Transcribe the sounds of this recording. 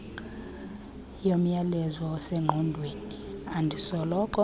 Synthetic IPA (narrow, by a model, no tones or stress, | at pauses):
jom̩jalɛzɔːsɛŋ͡ǃʱɔndʱweːniandʱisɔlɔkʼɔ